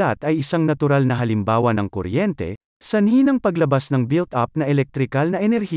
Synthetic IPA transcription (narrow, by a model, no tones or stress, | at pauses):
at̪ɐjʔɪsaŋnɐt̪ʊɾalnɐɦɐlɪmbaːwɐnɐŋko̰ɾjɛnt̪ɛ̰ | sɐniːnɐŋpɐɡlɐbasnɐŋbilt̪ɐp̚nɐʔɛlɛk̚t̪ɾɪkalnɐʔɛnɛɾhi